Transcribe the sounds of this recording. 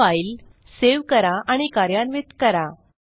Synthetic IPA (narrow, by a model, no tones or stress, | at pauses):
ail | seʋkəɾaʔaɽ̃ikaɾjanʋit̪kəɾa